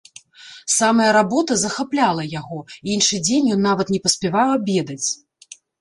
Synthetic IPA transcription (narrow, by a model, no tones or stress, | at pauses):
samɐjɐɾabɔt̪ɐzɐxaplʲalˠɐjaɣɔinʂɨd͡zʲenʲjɔnːavɐt̪nʲɛpɐsʲpʲɛvawɐbʲɛd̪ɐt͡sʲ